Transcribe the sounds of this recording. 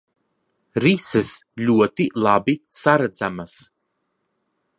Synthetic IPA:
ɾisɨslʲuɔt̪ilˠabisaɾad̪zamas

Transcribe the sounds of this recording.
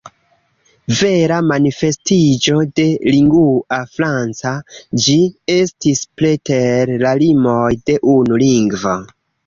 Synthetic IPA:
ve̞ɾamanife̞stid͡ʒo̞de̞liŋɡuafɾant͡sad͡ʒie̞stispleteɾlalimo̞jde̞ʔunuliŋɡvo

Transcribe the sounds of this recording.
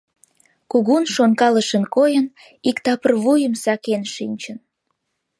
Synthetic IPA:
kuɣunʃonkɑləʃənkojən | ikt̪ɑpərβujəmsɑkenʃinʲt͡ɕən

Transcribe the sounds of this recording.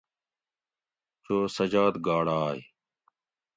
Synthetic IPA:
t͡ʃoːsəd͡ʒaːd̪ɡaːɽaːi

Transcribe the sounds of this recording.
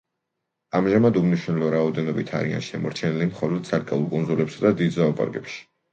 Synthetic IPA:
amʒamad̪umniʃwnɛlɔɾaɔd̪ɛnɔbit̪ʰa̰ɾia̰nʃɛmɔ̰ɾt͡ʃʰɛnilimχɔlɔd̪̥̚sʰaɾkʼaulˠkʼunzulɛpsad̪ad̪id̪zaupʼa̰ɾɡɛpʃi̥

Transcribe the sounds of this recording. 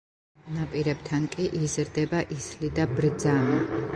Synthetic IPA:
napʼiɾɛbt̪ʰankʼiʔizɾd̪ɛbaʔislid̪abɾd̪zami

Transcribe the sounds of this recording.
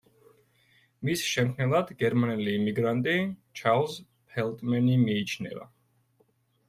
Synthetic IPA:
misʃɛmkʰnɛlˠad̪ɡɛɾmanɛliːmiɡɾant̪ʼit͡ʃʰalˠz | pʰɛlˠt̪ʼmɛnimiːt͡ʃʰnɛ̰va̰

